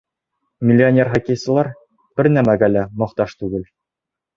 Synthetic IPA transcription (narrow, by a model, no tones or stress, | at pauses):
mʲɪlʲːɪonʲerχokʲejsɤ̆lˠɑɾ | b̥ɘɾnæmæɡælæmɒqt̪ɑʃt̪ʉɡɘl